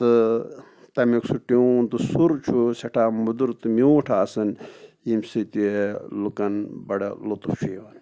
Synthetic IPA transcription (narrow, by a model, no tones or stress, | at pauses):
t̪ɨ | t̪ɐmiksuʈiunt̪ɨsuɾt͡ʃʰusɐʈʰaːmud̪uɾt̪ɨmioːʈʰaːsɐn | imsɨt̪ielukɐnbɐɖɐ̰lut̪uft͡ʃʰiːʋɐn